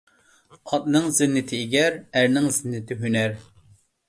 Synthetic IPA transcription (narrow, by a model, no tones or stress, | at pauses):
ɑt̪̚nɨŋzɪnːɪt̪ʰɪːɡʲɛɾæɾnɪŋzɪnːɪt̪ʰɪɦynɛɾ